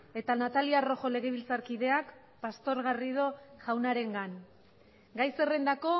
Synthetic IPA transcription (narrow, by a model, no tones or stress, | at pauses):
e̞t̪anat̪aliaro̞xo̞le̞ɣ̞e̞β̞ilt͡saɾkiðe̞ak | past̪o̞ɾɣariðo̞ʝawnaɾe̞ŋɡan | ɡajse̞re̞nd̪ako̞